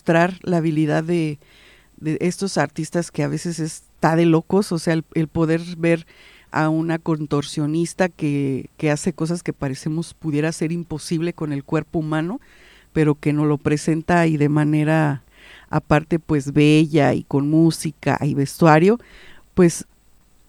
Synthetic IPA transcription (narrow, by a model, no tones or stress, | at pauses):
ost̪ɾaɾlaːβiliðaðe̞ | ðe̞ʔest̪o̞saɾt̪ist̪aske̞aβe̞se̞se̞s | t̪aðe̞lo̞ko̞sose̞aelelpo̞ðe̞ɾβe̞ɾ | a̰unako̞nt̪o̞ɾsjo̞nist̪ake̞ke̞ase̞ko̞s̬aske̞paɾe̞semo̞spuðje̞ɾase̞ɾimpo̞siβle̞ko̞ne̞lkwe̞ɾpoumãno̞ | pe̞ɾo̞ke̞no̞lo̞pɾe̞se̞nt̪aiðe̞mãne̞ɾa | a̰paɾt̪e̞pwe̞zβe̞ʝaḭko̞nmusika̰iβe̞st̪waɾjo̞pwe̞s